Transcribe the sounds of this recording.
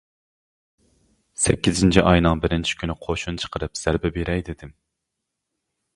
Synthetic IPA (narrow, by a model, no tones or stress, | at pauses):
sɛ̰kʲːizɪnt͡ʃʰiʔɑjnɨŋbɪɾɪnt͡ʃʰi̥kʲʰynɪqʰoʃunt͡ʃʰə̥qʰəɾɨpz̥æɾbɛbeɾɛjd̪ɪd̪ɪm